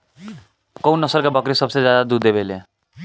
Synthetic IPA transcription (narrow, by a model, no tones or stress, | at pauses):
kʌw̃nʌsəlkabʌkɾisʌbsed͡zjad̪ad̪ud̪ebʱele